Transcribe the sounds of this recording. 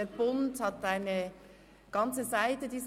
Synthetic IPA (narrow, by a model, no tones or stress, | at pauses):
əb̥ʊnthɑtaɪnə | ɡ̥ɑnt͡səzaɪtədiːz